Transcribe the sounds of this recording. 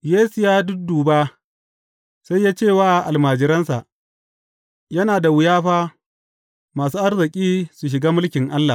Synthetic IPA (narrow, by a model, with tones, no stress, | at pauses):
jeː˦su˨jaː˦dʊ˦k̚duː˨baː˦ | sa˦jːaː˦t͡ʃeː˦˨waː˦˨ʔa˨lmaː˨d͡ʒɪ˦ɾɐ˦nsa˨ʔ | jɐ˦naː˨da˨wʊ˨jaː˦ɸaː˦ | maː˨suː˦ʔa˦rzɪ˨kʲʼiː˦su˨ʃ̬ɪ˨ɡaː˦mʊ˦lkʲɪ˨ŋʔa˦lːa˨